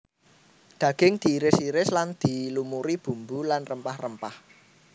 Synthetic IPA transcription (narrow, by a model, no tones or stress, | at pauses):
d̪̥ä̤ɡ̥ɪŋd̪̥i̤ːɾɪsiɾɪsland̪̥i̤lumuɾib̥ṳmbulanrəmpahrəmpah